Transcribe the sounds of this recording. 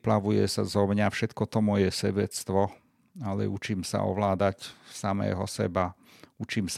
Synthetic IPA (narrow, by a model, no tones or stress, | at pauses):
plaʋujɛsazɔmɲafʃɛt̪kɔt̪ɔmɔjɛsɛbɛt͡st̪ʋɔ | alɛ̰ut͡ʃiːmsa̰ɔ̰ʋlaːd̪acsamɛ̰ːɦɔsɛ̰ba | ut͡ʃiːms